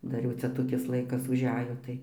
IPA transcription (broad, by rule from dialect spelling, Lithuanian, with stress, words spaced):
ˈdɐr jɛʊ ˈt͡sʲɛ toːˈkʲɪs ˈlˠɐɪkɐs ʊʒʲˈæːjoː tɐɪ